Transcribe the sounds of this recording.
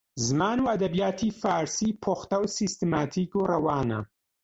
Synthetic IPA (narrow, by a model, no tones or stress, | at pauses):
zɨmaːnuːʔɐd̪ɐbijaːt̪ʰifaːɾsiːpʰoːxt̪ɐwsist̪ɨmaːt̪ʰiːkurɐwaːnɐ̰